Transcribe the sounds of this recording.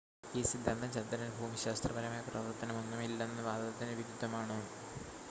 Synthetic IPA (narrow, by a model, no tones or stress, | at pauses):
iːsid̪ʱːɐnd̪ɐmt͡ɕɐnd̪ɐɾɐnbʱuːmiɕaːst̪rɐbɐɾɐmaːjɐprɐʋɐrt̪ːɐnɐmonːumilːenːɨʋaːd̪ɐðɐt̪ːineʋiɾud̪ʱːɐmaːɳoː